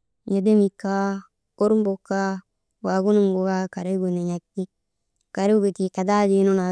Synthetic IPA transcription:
ɲe˨de˦mi˨kːa˦ | o˦ɾu˦m˦bo˨ka˦ | wa˨ɡu˦nu˦ŋɡo˨ɡa˦ka˨ɾe˦ɡu˨ne˨ɲa˨kti˦ | ka˨ɾe˦ɡu˨ti˨ka˨da˦d͡ʒi˦nu˦na˨

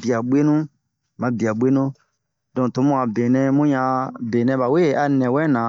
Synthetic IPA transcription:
bi˨a˨ɓe˦nũ˦ | mã˨˦bi˨a˨ɓe˦nũ˦ | dɔ̃˨to˨˦mũ˦a˨be˨nɛ̃˧mũ˦ɲã˧beː˨nɛ̃˧ba˨we˦˨a˧nɛ̃˨wɛ̃˦nã˨˦

